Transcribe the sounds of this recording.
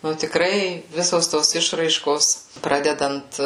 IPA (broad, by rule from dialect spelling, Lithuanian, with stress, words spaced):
ˈnʊ tʲɪkˈrɐɪ ˈʋʲɪsoːs ˈtoːs ˈɪʃrɐɪʃkoːs ˈprɑːdʲɛdɐnt